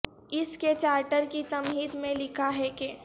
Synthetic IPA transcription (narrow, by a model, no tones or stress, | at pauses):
ɪsket͡ʃaːɾʈəɾkit̪ɐmɦiːd̪mẽlɪkʰaɦɛke